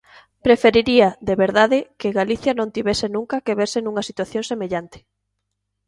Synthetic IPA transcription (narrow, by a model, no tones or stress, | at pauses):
pɾefeɾiɾiɐðeβeɾðaðɪkeɣaliθjɐnõnt̪iβesɪnũŋkɐkeβeɾsɪnũŋɐsit̪waθjõŋsemeʎant̪ɪ̥